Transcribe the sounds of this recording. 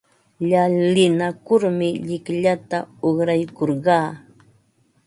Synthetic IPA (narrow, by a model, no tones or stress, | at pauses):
ʎalːɪnakʊɾmɪʎɪkʎat̪aoχɾajkoɾɢɑː